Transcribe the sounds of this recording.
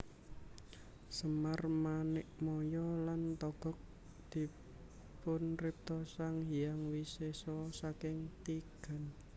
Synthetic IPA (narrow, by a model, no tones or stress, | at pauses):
səmarmanɪk̚mɔjɔlant̪ɔɡ̥ɔ̤k̚ | d̪̥i̤ | pʊnrɪp̚t̪ɔsaŋɦijaŋwisesɔsakɪŋt̪iɡ̥a̤n